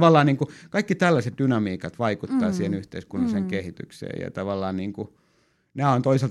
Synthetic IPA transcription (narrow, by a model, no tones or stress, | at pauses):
ʋɑlːɑːnniːŋkukɑikːit̪ælːæset̪̚dynɑmiːkɑt̪ʋɑikut̪ːɑːsiːhenyht̪eiskunːɑseŋkehit̪y̰ksḛːjɑ̰t̪ɑʋɑlːˑɑːnniːŋku | næːont̪oiselt̪